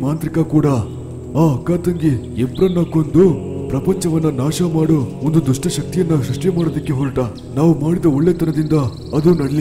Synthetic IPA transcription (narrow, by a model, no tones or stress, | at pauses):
maːnt̪ɾikɐkuːɽɐ | aːɐkːaːt̪ɐŋɡiebɾɐnːɐko̞nd̪upɾɐpɐɲt͡ʃɐʋɐnːɐnaːʂɐmaːɽuond̪ud̪uʂʈɐʃɐk̚t̪ijɐnːɐʃɾuʂʈjɐmaːɽod̪ɐkːeɦoɭʈɐ | naːʋumaːɽid̪ɐoɭːeɐt̪ɐnɐd̪ind̪ɐ | ɐd̪uːnɐɽɐli